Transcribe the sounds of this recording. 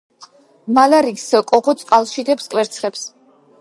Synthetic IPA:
malaɾikskʼɔʁɔt̪sʼqʼalˠʃid̪ɛpskʼwɛɾt̪sʰχɛps

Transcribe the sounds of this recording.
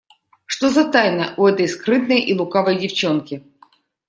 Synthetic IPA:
ʂt̪ozɐt̪ajnɐʔuɛt̪əjskɾɨt̪̚nəjʔilˠʊkavəjdʲɪft͡ɕonkʲɪ

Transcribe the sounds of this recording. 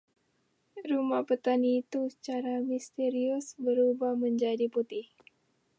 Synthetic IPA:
rumahpət̪aniːt̪usə̥t͡ʃaɾamist̪eɾiʊsbəɾubahməɲd͡ʒadiput̪ɪh

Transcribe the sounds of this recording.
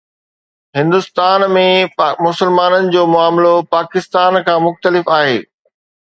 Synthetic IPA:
ɦɪ̃nd̪ʊst̪aːnmẽmʊsəlmaːnənɪ̆d͡ʑoːmʊaːmlopaːkɪst̪aːnkʰãːmʊxt̪əlɪfaːɦeː

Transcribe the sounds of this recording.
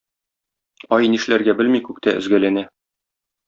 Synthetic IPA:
ɒjniʃlæɾɡæbɘlmikʉk̚t̪æʔɘ̆zɡælænæ

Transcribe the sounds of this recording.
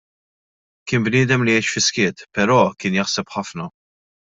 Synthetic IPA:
kɪːnbnɪːd̪ɛmlijɛjt͡ʃfɪskɪːt̪pɛɾɔːkɪːnjɐħsɛpħɐfnɐ

